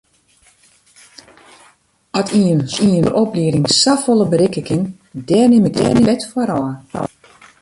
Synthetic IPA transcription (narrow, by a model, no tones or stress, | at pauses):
ɔtʰiəniənopliəɾɪŋsafolˠəbəɾɪkəkɪŋ | dɛrnɪmək̚dɛ̰nɪɛtfɔɾɔə